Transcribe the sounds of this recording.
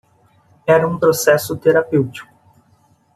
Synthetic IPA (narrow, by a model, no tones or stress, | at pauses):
ɛɾɐũpɾosɛsʊt̪eɾapewt͡ʃi̥kʊ